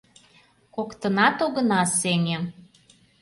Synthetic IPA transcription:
kokt̪ə̆nɑt̪oɣɤ̆nɑsenʲe

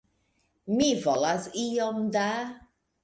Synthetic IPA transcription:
mivɔlasiɔmda

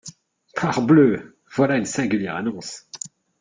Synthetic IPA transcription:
pʰaʁblø | v̥walaynsɛ̃ɡʲyljɛʁa̰nɔ̃s

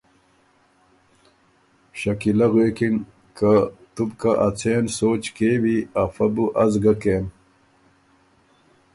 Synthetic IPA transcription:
ɕɐkilɐɣweːkin | kat̪ubkaʔɐt͡sʰeːnsoːt͡ɕkeːwiafɐbuʔɐzɡɐkeːm

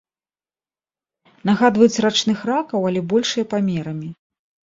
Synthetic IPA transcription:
naɣad̪vɐjut͡sʲrat͡ʂnɨxrakɐwɐlʲɛbɔlʲʂɨjɐpamʲɛɾɐmʲi

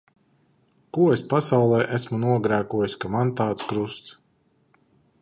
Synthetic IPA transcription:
kuɔespasawlˠɛːʔæsmunuɔɡɾæːkuɔjisʲkamant̪aːt̪skɾust̪s

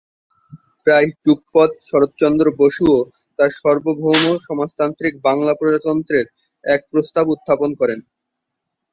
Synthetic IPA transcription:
pɾajʈuk̚pɔd̪̚ʃʰɔɾot̪̚t͡ɕɔnd̪ɾoboʃuo | t̪aɾʃɔɾbobʱomoʃɔmast̪ant̪ɾik̚baŋlapɾod͡ʑat̪ɔnt̪ɾeɾ | ɛk̚pɾost̪abut̪ːaponkɔɾen

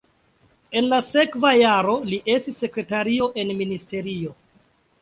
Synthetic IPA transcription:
e̞nlase̞kvajaɾo̞liʔe̞stisːe̞kɾe̞taɾio̞ʔe̞nministe̞ɾio̞

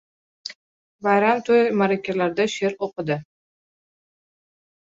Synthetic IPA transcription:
bajɾamt̪ʰojmaɾakʲʰalaɾd̪aʃeɾoqɨd̪ɪ

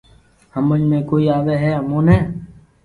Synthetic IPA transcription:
həməd͡ʒmẽːkoːiːaːʋeːɦɛːɦəmõːneː

